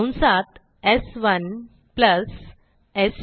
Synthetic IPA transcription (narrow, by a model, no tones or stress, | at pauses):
wnsat̪ | esʋən | pləs | es